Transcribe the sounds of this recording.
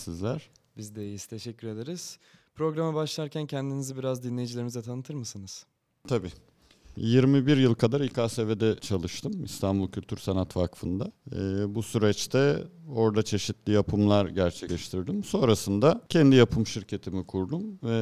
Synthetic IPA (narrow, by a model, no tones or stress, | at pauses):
sizlʲæɾ̥bizd̪ejizt̪ʰe̞ʃɛcːyɾe̞d̪eɾiz̥pɾo̞ɡɾamabaʃlˠaɾcʰæncʰɛnd̪inizibiɾazd̪inlʲejid͡ʒilʲe̞ɾimizɛt̪ʰanɯt̪ʰɯɾmɯsɯnɯz̥ | t̪ʰabiː | jiɾmibiɾjɯlˠkʰad̪aɾikʰaːseved̪ɛt͡ʃʰalˠɯʃt̪ʰɯmist̪ʰanbulˠcʰylʲt̪ʰyɾsanat̪vakfɯnd̪aːbusyɾɛt͡ʃt̪ʰɛo̞ɾd̪at͡ʃʰe̞ʃit̪lʲijapʰɯmlˠaɾɟæɾt͡ʃʰɛclʲɛʃt̪ʰiɾd̪imso̞nɾasɯnd̪acʰɛnd̪ijapʰɯmʃiɾcʰe̞t̪ʰimikʰuɾd̪umvɛ